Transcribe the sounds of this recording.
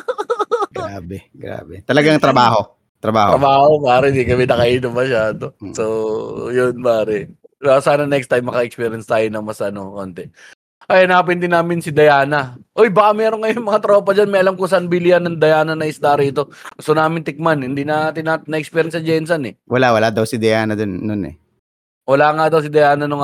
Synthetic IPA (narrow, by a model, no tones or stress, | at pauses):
ɡɾaːbɛɡɾa̰ːbɛt̪ɐlɐɡaŋt̪ɾɐbaːɦo | t̪ɾɐba̰ːhɾɐbaːhopaːɾɛɪnd̪ikɐmɛnɐkɐʔiːnomɐʃaːd̪o̞sojʊnpaːɾɛ | asaːnɐnɛkst̪ajmːɐkɐʔɛk̚spiːɾjɐnst̪aːjonɐŋmɐsɐno̞koːnt̪ɛ | ʔɐjɐnap̬ɪnd̪ɪnaːmɪnsɪd̪ɐjaːnɐʔojbɐkamɛːɾoŋkɐjoŋmɐŋat̪ɾo̞ːpɐd͡ʒanmɐjʔɐlamkʊŋsɐanbilɪjɐnɐŋd̪ɐjaːnɐnɐʔɪst̪aːɾiɪt̪o̞ɡʊst̪onaːmɪnt̪ɪk̚manhɪnd̪inɐt̪ɪnanɐʔɛkspiːɾjɐnsɐd͡ʒɛnsɐnɛwɐlawɐlaːd̪ɐwsɪd̪ɐjaːnɐd̪onːonɛ̰ | wɐlaŋad̪ɐws̬ɪd̪ɐjaːnɐnʊŋ